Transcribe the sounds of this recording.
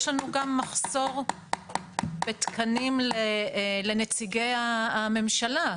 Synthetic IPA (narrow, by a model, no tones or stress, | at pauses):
ʃlanuɡamːaχso̞ʁ | bet̪kʰanimlele̞net͡siɡejaːme̞mʃala